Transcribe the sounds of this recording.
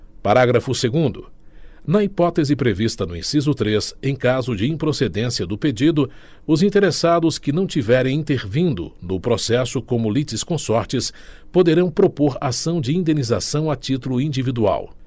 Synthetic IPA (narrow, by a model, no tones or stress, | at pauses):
paɾaɡɾɐfʊseɡũd̪ʊ | nɐipɔt̪ezɪpɾevist̪ɐnʊḭ̃sizʊt̪ɾesẽj̃kazʊd͡ʒɪĩpɾosed̪ẽsiɐd̪ʊped͡ʒid̪ʊ | ʊzĩnt̪eɾesad̪ʊskɪnɐ̃w̃t͡ʃivɛɾẽj̃ĩt̪eɾvĩnd̪ʊ̰nʊpɾosɛsʊkõmʊlit͡ʃɪskõsɔɾt͡ʃɪs | pod̪eɾɐ̃w̃pɾopoɾasɐ̃w̃d͡ʒɪĩnd̪ẽniza̰sɐ̃w̃ɐt͡ʃit̪ulʊĩd͡ʒivid̪ua̰w